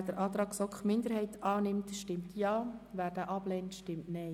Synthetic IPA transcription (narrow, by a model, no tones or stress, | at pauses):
d̥əɾʔɑːt̪ɾɑːksɔkχmɪnd̪əɾhɛɪt̪ʰɑːnɪmtʃtɪmt̪ʰjɑːʋæːɾd̥æːʔɑb̥lɛːntʃtɪmtnɛɪ